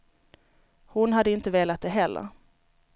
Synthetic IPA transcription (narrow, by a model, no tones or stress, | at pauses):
hʊnɦad̪ːəɪnt̪əveːlat̪̚d̪ɛɦɛlːə̰ɾ